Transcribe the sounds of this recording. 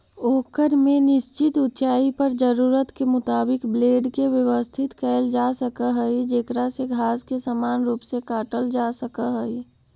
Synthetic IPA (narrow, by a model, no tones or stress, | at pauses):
oːkəɾmẽnɪʃt͡ʃɪt̪ʊtt͡ʃaːipəɾd͡ʒəɾuːɾət̪kemʊt̪aːbɪkbleːɖkeʋjəʋəst̪ʰɪt̪kəɪld͡ʒasəkəɦəid͡ʒeːkɾaseɡʱaːskesamaːnɾuːpsekaːʈəld͡ʒasəkəɦəi